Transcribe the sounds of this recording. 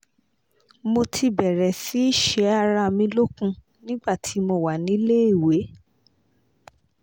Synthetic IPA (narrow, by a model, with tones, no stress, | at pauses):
mo˧tʰi˧bɛ˨ɾɛ˨si˨˦i˦ʃɛ˨˧˦a˧ɾa˧mĩ˧lo˦kũ˧ | nĩ˦ɡ͡ba˦˨tʰi˨˦mo˧wa˨nĩ˨˦le˦i˦˨we˨˦